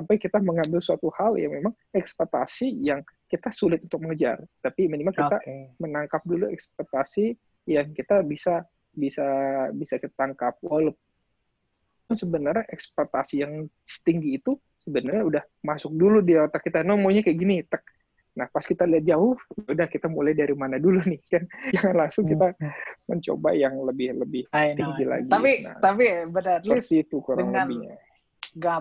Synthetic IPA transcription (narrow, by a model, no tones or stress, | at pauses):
sampajkit̪aməŋambɪlsuat̪uhalja̰memaŋ | ɛkspat̪a̰sijaŋkit̪asulɪt̪̚unt̪ʊk̚məŋəd͡ʒa̰rt̪apimənimaŋkit̪amənaŋkap̚duluɛ̰kspot̪asi | jaŋkit̪abisa | bisabisakit̪at̪aŋkap̚waləp | ansəbənərɲaʔɛkspat̪a̰sijaŋ | sə̥t̪iŋɡiːt̪u | səbənərɲaudah | masʊk̚duludiot̪akːit̪anomoɲakajaɡinit̪ək̚ | nahpaskit̪aliɦat̪̚d͡ʒaʊhaudahkit̪amulajdaɾimanadulunɪhkand͡ʒaŋanlaŋsʊŋkit̪aməɲt͡ʃo̰ba̰jaŋləbɪhləbɪht̪iŋɡila̰ɡit̪apina̰t̪apibənətət̪it̪ukuɾaŋləbɪɲa̰ | ɡa